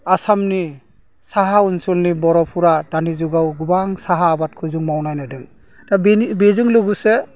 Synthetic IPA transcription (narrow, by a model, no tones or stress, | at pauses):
asamni | saɦaunsulnibɔɾɔpʰuɾadanizuɡawɡubaŋsaɦaːbat̚kʰɯzuŋmawnajnɯdɯŋ | tabbezɯŋluɡuse